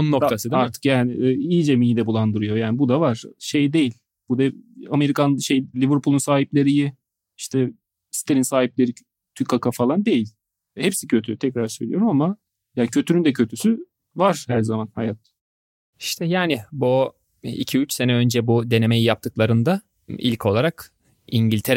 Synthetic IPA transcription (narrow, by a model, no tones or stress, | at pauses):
onunːok̪t̪asɯd̪aɾt̪ʰɯ̥kjaːnɪijid͡ʒɛmijid̪ɛbulˠand̪ɯɾujo̞jaːnibud̪avaɾ̥ʃe̞jd̪e̞jilʲ | b̥ud̪ɛame̞ɾikʰanʃejlʲivɯɾpʰulˠunsaːɦiplʲe̞ɾijɪ | iʃt̪ʰɛ | si̥t̪ʰeinsaːhip̚lʲe̞ɾi | t̪ʰykʰːakʰafalˠand̪e̞jilʲ | hɛpsicʰø̞t̪ʰyt̪ʰɛcɾaɾsø̞jlʲijo̞ɾumama | jaːncʰø̞t̪ʰynynd̪ɛcʰø̞t̪ʰysy | vaɾ̥hæɾzamanhajat̪ | i̥ʃt̪ʰɛjaːnɪbu | ḭcʰiyt͡ʃse̞nɛø̞nd͡ʒɛbud̪e̞ne̞mejijap̚t̪ʰɯklˠaɾɯnd̪a | ḭlʲcʰo̞lˠaɾak | iɲɟilʲt̪ʰeɾ